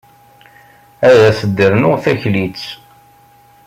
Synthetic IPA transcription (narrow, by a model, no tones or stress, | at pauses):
æðæsəd̪ːəɾnʊʁθæçlit͡sː